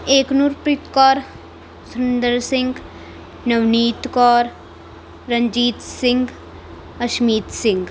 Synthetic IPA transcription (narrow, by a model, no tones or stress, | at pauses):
eːknuɾpɾɪt̪kɔːɾ | sʊnd̪əɾsɪ̃ŋɡ | nɐʋniːt̪kɔːɾ | ɾɐ̃ɲd͡ʒiːt̪sɪ̃ŋɡ | ɐʃmiːt̪sɪ̃ŋɡ